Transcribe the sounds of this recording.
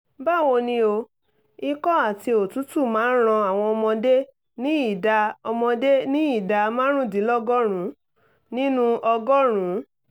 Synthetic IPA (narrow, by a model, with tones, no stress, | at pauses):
ba˦˨wo˧nĩ˧o˧ | i˧kɔ˦a˦˨ti˧o˨tu˨˦tu˦˨mãː˨˦ɾ̃ã˧a˨w̃ɔ̃˧ɔ˧mɔ̃˧de˦ | nĩ˦i˦˨da˧ɔ˧mɔ̃˧de˦nĩ˦i˦˨da˧mãː˦ɾ̃ũ˦dĩ˨˦lɔ˦ɡɔ˦ɾ̃ũ˨˦ | nĩ˦nũ˦ʔɔ˧ɡɔ˦ɾ̃ũ˨˦